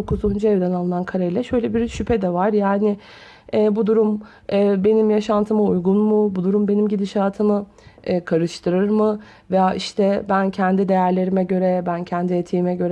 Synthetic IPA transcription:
okʰuzund͡ʒuɛvd̪ɛnalˠɯnankʰaɾejlʲɛʃø̞jlʲɛbiɾʃypʰɛd̪ɛvaɾjaːnɪ | ɛːbud̪uɾum | ɛːbe̞nimjaʃant̪ʰɯmaujɡunmʊbud̪uɾumbe̞nimɟid̪iʃaːt̪ʰɯmɯː | kʰaɾɯʃt̪ʰɯɾɯɾmɯ | vɛjaʔiʃt̪ʰɛbæncʰɛnd̪id̪e̞jæɾlʲe̞ɾimɛɟø̞ɾɛbæncʰɛnd̪iet̪ʰiːmɛɟø̞ɾɛ

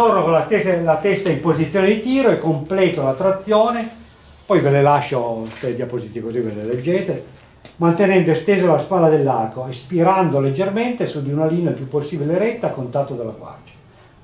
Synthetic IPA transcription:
ornokõlat̪eslat̪ɛsːaimpozit̪sːjoːned̪it̪iːɾoɛkːomplɛːt̪olat̪ːɾat̪sːjoːne | pɔjvelelaʃːost̪ed̪japozit̪ikoziveleled͡ʒːeːt̪e | mant̪enɛnd̪oest̪eːzalaspaːlad̪elːarkoespiɾand̪oled͡ʒːerment̪esud̪iunalinelpjupːosːiːbileɾɛt̪ːaːkːont̪at̪ːod̪alːaɡwa̰rd͡ʒḁ

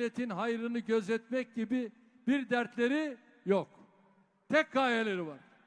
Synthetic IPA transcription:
et̪ʰinɦajɾɯnɯɟøzɛt̪mɛc̚ɟibi | b̥iɾd̪æɾt̪lʲe̞ɾi | jok | t̪ʰɛc̚ɡaːjelʲeɾivaɾ̥

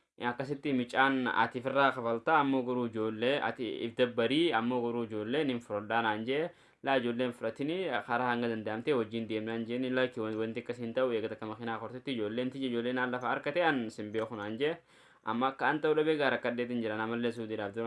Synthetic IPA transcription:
ɐkːɐs̬ɪt̪ːɪmɪt͡ʃʼːaːnɐ̰t̪ɪfɪrːaːkɐfɐlt̪aːɐmːoɡɔɾuːɪd͡ʒoːlːeːɐ̰t̪ɪɪ̰fd̪ɐbːɐɾiːɐmːoɡɔɾuːɪd͡ʒo̞ːlːeːnhɪnfʊɾɐᶑaːnaːnd͡ʒɛʔɛ | laːɪd͡ʒoːlːeːnfʊɾɐt̪ːɪnɪkɐɾaːhɐŋɡɐd̪ɐnd̪ɐʔɐmt̪ewɔd͡ʒːiːnd̪eːmnaːnd͡ʒɛʔnɪlɐkːɪwwɐnt̪ɪɐkːɐshɪnt̪ɐʔʊeːɡɐt̪ɐkːɐmɐxɪnaːkɔɾt̪ɪt̪ːɪd͡ʒo̞ːlːeːnt̪ɪd͡ʒɪd͡ʒoːlːeːnaːlːɐfaːɐɾkɐt̪ɛɐnsɪmbɪʔokʊnaːnd͡ʒɛʔɛ | ʔɐ̰mːɐkːɐɐnt̪ɐʊɗɐbeːɡaːɾɐkːɐdːeːt̪ɪnd͡ʒɪɾɐnɐmːɐlːes̬uːd̪ɪdaːfd̪ɪɾ

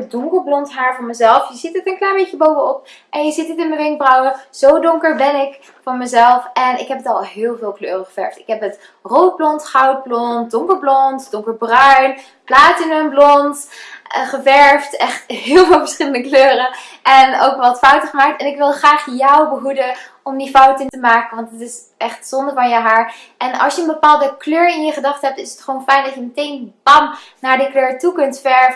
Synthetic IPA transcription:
dʊŋkəɹblɔntɦaːɹvʊːɹməzɛlˠfjəzitətənklajbecəbowvənɔp̚ | ʔɛnjəzitətɪnməʋɪŋk̚brawəz̥owdʊŋkəɹbɛnɪk | fɔɹməzɛlˠfɛnɪ̰kɦɛpətɑlˠɦɪːlˠvɪːlˠkløːrəχəv̥ɛ̰ɹftɪkɦɛpət | rowt̚blɔntχʌwt̚blɔntdʊŋkəɹblɔntd̥ʊŋkəɹbrœɥn | plaːtənənblɔnt | χəvɛɹftɛχtɦɪːlˠvɪːlˠvəɹsχɪləndəkløːrə | ɛno̰wkʋɑtfʌwtəχəmaːk̚tɛnɪkʋɪlˠχraːχjɔwbəɦudəʔɔmdifʌwtəntəmaːkənʋɑntətɪs | ʔɛχtsɔndəɹvɑnjəɦaːɹ | ɛnɑ̰lˠsjəənbəpaːlˠdəkløːɹɪnjəχədɑχtɦɛp̚tɪsə̥tχəʋownfɛjndɑtjəmətejnbɑnnaːɹdikløːɹtukɵntfɛɹv

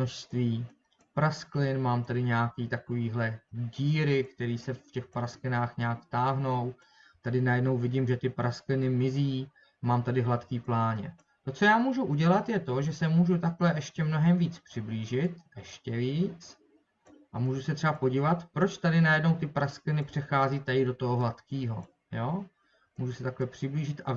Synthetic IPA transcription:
noʃst̪viː | pɾasklɪnmaːmt̪adɪɲɛakiːt̪ako̞viːɦlɛɟiːɾɪkt̪ɛɾiːsɛfcɛxpɾasklɪnaːxɲɛakt̪aːɦno̞w | t̪adɪnajɛdno̞wvɪɟɪmʒɛt̪ɪpɾasklɪnɪmɪziː | maːmt̪adɪɦlat̪kiːplaːɲɛ̰ | t̪o̞t͡so̞jaːmuːʒuʔuɟɛlat̪jɛt̪o̞ʒɛsɛmuːʒut̪aklɛʔɛʃcɛmno̞ɦɛmviːt͡spr̝̥ɪbliːʒɪt̪ʔɛʃcɛviːt͡s | ʔamuːʒusɛt̪r̥ɛbapo̞ɟivat̪pɾo̞t͡ʃt̪adɪnajɛdnowt̪ɪpɾasklɪnɪpr̝̥ɛxaːziːt̪ajɪdo̞t̪o̞ɦoɦlat̪kiːɦo̞̰ | joː | muːʒusɛt̪aklɛpr̥ɪbliːʒɪt̪ʔa

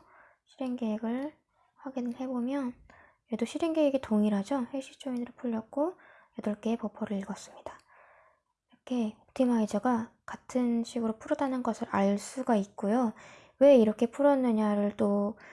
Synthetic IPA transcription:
ɕʰiɾe̞ŋɡeɡɯɭ | ɸwaɡinɯɭhe̞bomjʌn | jedoɕʰiɾe̞ŋɡeiɡetoŋiɾad͡ʑoheɕ͈ʰit͡ɕ͈oinɯɾɯɭpʰuʎːʌk̚k͈o | jʌdʌɭk͈e̞ːpʌpʰʌɾɯiɭɡʌs͈ɯmɲid̥a | iɾʌkʰe̞otʰimaid͡ʑaɡakatʰɯnɕʰiɡɯɾopʰuɾʌdanɯnɡʌsʰɯɾaɭs͈uɡait̚k͈ojo | we̞iɾʌkʰe̞pʰuɾʌnːɯɲaɾɯɭt͈o

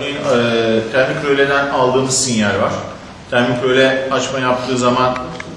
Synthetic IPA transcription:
ijnːt̪ʰæɾmikʰø̞jlʲed̪ænalˠd̪ɯːmɯzsinjæɾvaɾ̥ | t̪ʰæmikʰø̞jlʲɛat͡ʃmajap̚t̪ʰɯːzaman

